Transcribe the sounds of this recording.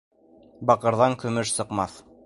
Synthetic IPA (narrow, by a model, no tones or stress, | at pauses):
bɑqɤ̆ɾðɑŋkɵ̆mɵʃsɤ̆qmɑθ